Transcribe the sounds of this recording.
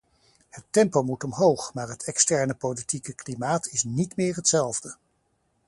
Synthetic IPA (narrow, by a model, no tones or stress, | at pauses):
hətɛmpowmutɔmɦowχmaːɹɦətʰɛkstɛɹnəpowlitikəklimaːtʰɪsnitmɪːɹɦətsɛlˠvdə